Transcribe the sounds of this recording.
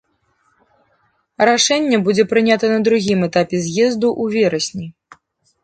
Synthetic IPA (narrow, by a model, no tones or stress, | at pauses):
ɾaʂɛnʲːɛbud͡zʲɛpɾɨnʲat̪ɐnɐd̪ɾuɣʲimɛt̪apʲɛzʲjɛzd̪uʔuvʲɛɾɐsʲnʲi